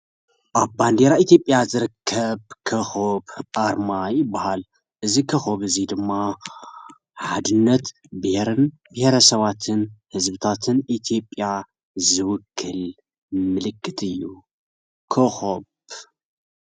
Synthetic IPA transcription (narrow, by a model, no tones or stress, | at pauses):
ʔaβband̪eɾait̪jo̞pʼjazɨɾɨkʰːɐβkʰɐxobʔaɾmajbahal | ʔɨzikʰɐxoβɨzid̪ɨmːa | ħad̪ɨnːɐt̪ | bɨheɾɨn | bɨheɾɐsɐβat̪ʰɨnhɨzbɨt̪ʰat̪ʰɨnʔit̪ʰijo̞pʼja | zɨwʊkʰːɨl | mɨlɨkʰːɨt̪ʰɨjːu | kʰoxob